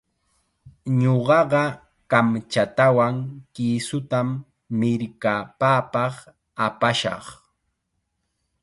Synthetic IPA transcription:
ɲoɢɑɢɑ | kamt͡ʃat̪awaŋkiːsʊt̪amː | ɪɾkapaːpɑχ | apaʃɑ̰χ

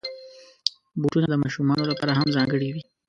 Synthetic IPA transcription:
buʈunad̪əmɑʃumɑnolapɑɾaɦamzɑŋɡəɽiwi

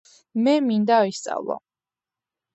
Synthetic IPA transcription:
mɛmind̪aist̪sʼa̰vlˠɔ̰

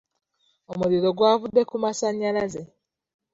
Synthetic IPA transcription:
omuɾiɾo̞ɡwaːvudːe̞kumasaɲːalaze

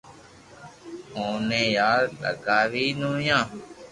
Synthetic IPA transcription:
õːnẽːjaːɾɗə̰ɡaːʋiːnõːjãː

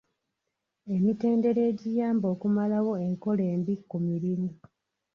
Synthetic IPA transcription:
e̞mite̞ːnde̞ɾe̞ːɟijaːmbo̞ːkumalawo̞e̞ŋko̞le̞ːmbikːumiɾimi

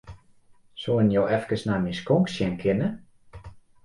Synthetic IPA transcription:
soənjoːɛfkəsnamiskɔŋksjɛnkʰɪnə

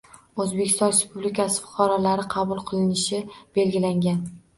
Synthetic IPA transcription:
ozbekʲʰɪst̪ɒnɾespublikʰʲasɪ̥fʊ̥qʰɑɾɒlaɾɪqʰɑbʊlˠqʰɨlˠɪnɪʃɪb̥e̞lɡʲɪlaŋɡʲan

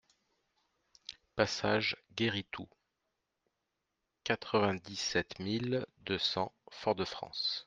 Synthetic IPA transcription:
pasaʒɡʲeʁit̪ʰu | kat̪χəvɛ̃d̪isɛt̪mild̪øsɑ̃fɔʁd̪əfχɑ̰̃s

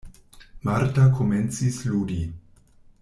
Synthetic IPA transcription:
maɾtakoment͡sisluːdi

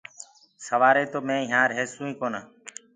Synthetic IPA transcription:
səʋaːɾeːt̪oːmẽːɦãːɾɦeːsũːĩːkoːnaː

